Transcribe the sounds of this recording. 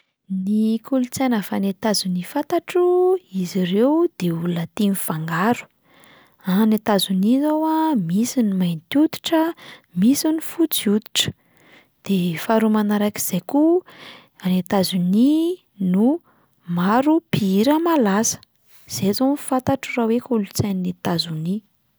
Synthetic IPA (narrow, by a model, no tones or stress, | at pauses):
nikulut͡sajnəfanet̪azunifat̪aʈ͡ʂuiziɾewd̪̥eulat̪inifaŋɡaɾu̥ | anet̪azunizowamisinimajnt̪ud̪u̥ʈ͡ʂəmisinifut͡siud̪i̥ʈ͡ʂə̥ | d̪̥efaɾumanaɾaki̥z̥ejku | anet̪azuni | nu | maɾupiɾəmalasə̥ | z̥ezonfat̪aʈ͡ʂurawekulut͡sannet̪azuni